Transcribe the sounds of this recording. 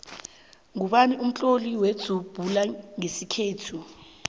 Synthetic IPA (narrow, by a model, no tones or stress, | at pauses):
ŋuɓaniʔum̩t͡ɬʼoliwed̥z̥ʱub̥ʱulaŋesikʰeːtʰu